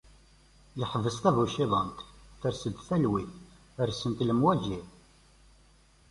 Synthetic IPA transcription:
jəħəvəst̪ævuʃiðˤənt̪θəɾsəd̪θælwiθ | əɾsənt̪ləmwæʒi

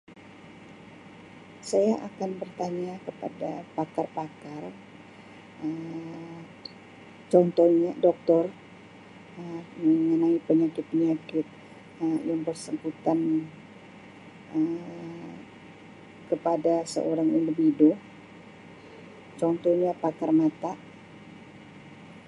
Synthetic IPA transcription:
sajaʔakanbərt̪aɲakəpa̰dapakarpakar | əm | t͡ʃɔnt̪ɔɲadɔk̚t̪ɔr | əməŋənaipəɲakɪt̪̚pəɲakɪt̪̚ | əjaŋbərsəmbut̪an | ə | kəpadasə̰ʔoɾaŋindəbido | t͡ʃɔnt̪ɔɲapakarmat̪a

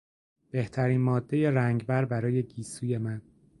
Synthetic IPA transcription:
b̥e̞ht̪ʰæɾiːnmɒːd̪ːe̞jeɾæŋɟbæɾbæɾɒːje̞ɡiːsuːje̞mæn

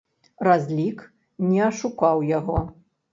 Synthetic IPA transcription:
razʲlʲik | nʲɛɐʂukawjaɣɔ

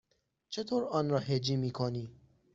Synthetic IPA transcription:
t͡ʃʰet̪ʰoːɾɒːnɾɒːhed͡ʒiːmiːkʰoniː

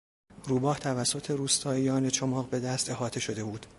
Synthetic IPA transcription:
ruːbɒːht̪ʰævæsːo̞t̪ʰe̞ɾuːst̪ʰɒːijɒːnet͡ʃʰomɒːʁbe̞d̪æst̪e̞ɦɒːt̪ʰe̞ʃo̞d̪e̞buːd̪̥

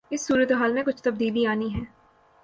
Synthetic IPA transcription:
ɪsːuːɾət̪eɦaːlmẽkʊt͡ʃʰt̪ɐb̚d̪iːliaːniɦɛː

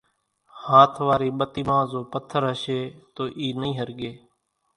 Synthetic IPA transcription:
haːt̪ʰʋaːɾiːɓət̪iːmãːzoːpət̪ʰːəɾɦəʃeːt̪oːʔiːnəĩːɦəɾɠeː

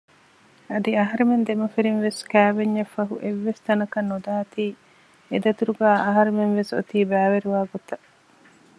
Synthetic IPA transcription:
ɐd̪iɐɦɐɾumend̪emɐfiɾinʋeskæːʋeɲːɐfːɐɦuʔeʋːest̪ɐnɐkɐnːod̪aːɐt̪iː | ed̪ɐt̪uɾuɡæːʔɐɦɐɾemenʋeso̰t̪iːbæːʋeɾiʋaːɡot̪ɐ

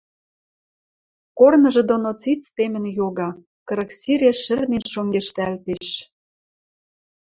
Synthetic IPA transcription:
kornɤ̆ʒɤ̆d̪onot͡sit̪t͡st̪emɘ̆njoɣɑ | kɤɾɤ̆ksiɾʲeʃːɘ̆rnenʃoŋɡeʃt̪ælt̪eʃ

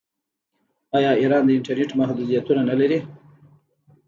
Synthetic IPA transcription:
ɑjɑiɾɑnd̪əɪɳʈaɾneʈmahd̪ud̪ijat̪unanalaɾi

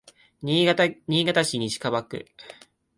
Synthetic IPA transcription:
ɲ̟iːɡat̪aɕiɲ̟iɕi̥kaβakɯ̟̰

